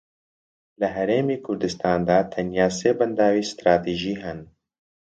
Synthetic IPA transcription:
ləɦɛɾeːmiːkʰʊɾd̪ɨst̪ʰɑːnd̪aːt̪ʰɛnjaːseːbɛnd̪aːwiːst̪ɾaːt̪ʰiːʒiːɦɛn

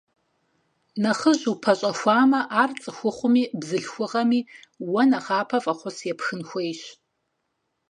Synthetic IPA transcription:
nɐχəʒupʰɐɕʼɐxʷaːmɐʔaːrt͡sʼɨxʷʊχʷʊmiːbzɨɬxʷʊʁɐmiːwɐnɐχaːpʰɐfʼɐχʷʊsjɛpʰxɨnxʷejɕ

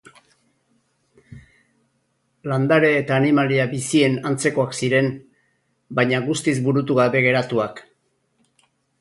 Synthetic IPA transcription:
land̪aɾe̞ːt̪aːnimaliaβisie̞nant͡se̞ko̞aksiɾe̞n | bajɲaɣust̪izbuɾut̪uɣaβe̞ɣe̞ɾat̪uak

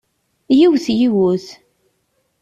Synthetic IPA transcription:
jiwθjiwʊθ

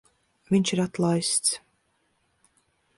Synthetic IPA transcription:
vʲiɲʲt͡ʃiɾat̪lˠajst̪s

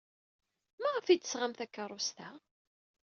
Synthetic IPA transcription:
mæʁəfid̪ə̥sʁamθækːəɾˤʊst̪æ

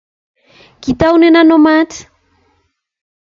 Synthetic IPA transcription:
kit̪awnenanomati̥

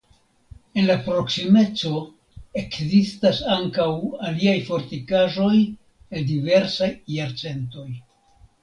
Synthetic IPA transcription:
e̞nlapɾo̞ksime̞t͡so̞ | e̞kzistasaŋkawaliajfo̞ɾtikaʒo̞j | edive̞ɾsajːaɾt͡se̞nto̞j

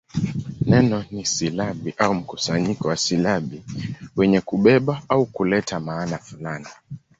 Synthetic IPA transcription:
nɛnɔnisilaɓiʔaum̩kusaɲikɔwasilaɓiwɛɲɛkuɓɛɓaaukulɛtʰamaːnafulani

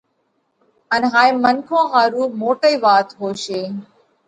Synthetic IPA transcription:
ənɦaːĩːmənkʰõːɦaːɾuːmoːʈəiːʋaːt̪ɦoːʃeː

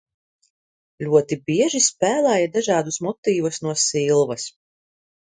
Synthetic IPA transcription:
lʲuɔt̪ibʲiɛʒispʲæːlˠæːjad̪aʒaːd̪usmɔt̪iːvusnuɔsilˠvɐs

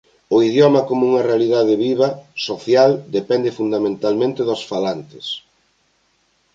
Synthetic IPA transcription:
ʊiðjɔmɐkomʊuŋɐrealiðaðɪβiβɐsoθjald̪epɛnd̪ɪfund̪amẽnt̪almẽnt̪ɪðosfalant̪ɪ̥s

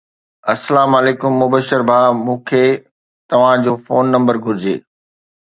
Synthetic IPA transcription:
ɐsːəlaːmɐleːkʊmːʊbəʃəɾbʱaːmũːkʰe | t̪ɐʋ̤ãd͡ʑoːfoːnːɐ̃mbəɾɡʱʊɾɪd͡ʑḛː

